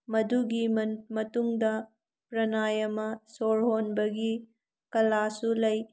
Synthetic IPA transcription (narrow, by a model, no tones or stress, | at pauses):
mɐduɡimɐtuŋdɐ | pɾɐnajɐmɐsoɾɦonbɐɡi | kɐlasulɐj